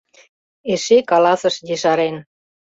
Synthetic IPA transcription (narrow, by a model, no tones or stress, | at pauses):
eʃekɑlɑsə̆ʃjeʃɑɾen